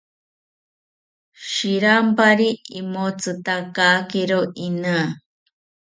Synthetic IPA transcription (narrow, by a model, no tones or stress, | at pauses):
ʃiɾampaɾiimot͡sɨt̪akaːkeɾoʔinaː